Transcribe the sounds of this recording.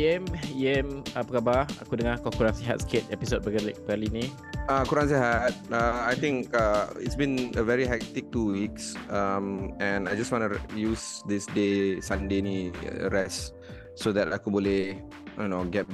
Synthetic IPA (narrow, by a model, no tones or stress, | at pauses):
iɛmiɛmapəkabaa̰kudəŋakɔkuɾansiɦa̰t̚skʰɛt̚ɛpisot̚bəkalibəkalini | akuɾãns̬iɦat̚aajt̪ĩŋkaḭtsbĩnəvɛɹiɦɛk̚t̪ik̚tuwiksamɛ̃najd͡ʒaswɔ̃nujusd̪isdesãndenḭɹɛs | sod̪ɛtakubolɛh | onoɡɛt̚